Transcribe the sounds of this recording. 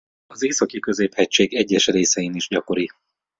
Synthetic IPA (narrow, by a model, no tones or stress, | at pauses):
ɒzeːsɒkikøzeːphɛct͡ʃeːɡɛɟːɛʃreːsɛjiniʒɟɒko̞ɾi